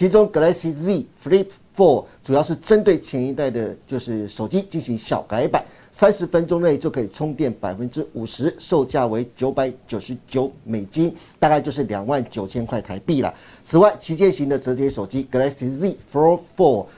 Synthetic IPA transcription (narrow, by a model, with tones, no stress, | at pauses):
t͡ɕʰi˧˥ʈ͡ʂʊ˥ŋkɤ˧˥la˥si˥zi˥˩fli˥p | fɔ˥˩ʈ͡ʂu˨˩jɑ˥˧ʂɻ̩˥˩ʈ͡ʂə˦˥nt̪we˥˩ɪt͡ɕʰjɛ˧˥ni˧˥t̪a˥˩ɪd̪ə˩t͡ɕjo˥˧ʊʂɻ̩˥˩ʂo˨˩ʊt͡ɕi˦t͡ɕi˥˩nɕi˧˥ŋɕjɑ̰˨˩ʊka˧˥ɪpa̰˨˩˦n | sa˥nʂɻ̩˧˥fə˥nʈ͡ʂʊ˥ŋne˥˩ɪt͡ɕjo˥˩ʊkʰə˧˥i˨˩ʈ͡ʂʰʊ˥ŋt̪jɛ˥˩npa˨˩ɪfə˦˥nʈ͡ʂɻ̩˥u˨˩ʂɻ̩˧˥ʂo˥˧ʊt͡ɕja˥˩we˧˥ɪt͡ɕjo˧˥ʊpa˧˥˦ɪt͡ɕjo˨˩ʊʂɻ̩˧˦˥t͡ɕjo˧˥ʊme˨˩ɪt͡ɕi˥nt̪a˥˧kt͡ɕjʂɻ̩˥˩ljɑ˨˩ŋwa˥˩nt͡ɕjo˨˩ʊt͡ɕʰjɛ˥nkʰwa˥˩ɪt̪ʰa˧˥ɪpi˥˩lə̰˩ | t͡sʰɹ̩˨˩wa˥˩ɪt͡ɕʰi˧˥t͡ɕjɛ˥˧nɕi˧˥ŋd̪ə˨ʈ͡ʂɤ˧˥t̪jɛ˥ʂo˨˩ʊt͡ɕi˦˥kə˧˥la˧˥si˧˥zi˥˩fɔ˥fɔ˥˩